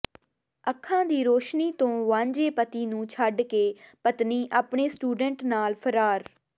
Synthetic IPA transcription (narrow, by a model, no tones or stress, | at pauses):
əkʰːãːd̪iːɾoːʃniːt̪õːʋãːɲd͡ʒeːpət̪iːnũːt͡ʃʰəɖkeːpət̪niːʔaːpɳeːsʈuːɖəɳʈnaːlpʰəɾaːɾ